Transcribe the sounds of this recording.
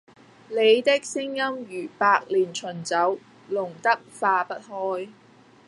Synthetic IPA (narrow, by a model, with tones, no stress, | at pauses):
le˨˧jt̪ɪ˥k̚sɪ˥ŋjɐ˥mjyː˨˩paː˧k̚liː˨˩nt͡ʃʰɵ˨˩nt͡sɐ˨˥w | lʊ˨˩ŋt̪ɐ˥k̚faː˧pɐ˥t̚hɔː˥j